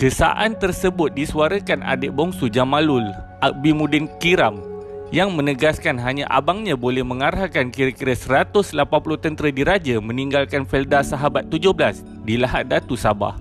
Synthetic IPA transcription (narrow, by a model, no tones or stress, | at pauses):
kəsa̰ʔant̪ərsəbʊt̪̚disuaɾəkana̰dəʔbɔŋsud͡ʒamalʊl | ʔak̚bimũdɪnkiɾam | jaŋmə̃nəɡaskanɦaɲaʔa̰baŋɲãbolɛhmə̃ŋaɾahkankiɾakiɾasəɾat̪ʊslapanpulʊht̪ənt̪əɾədiɾad͡ʒamə̃niŋɡalkanfɛldasaɦabat̪ːud͡ʒʊhblas | dilaɦat̪̚dat̪usaba̰h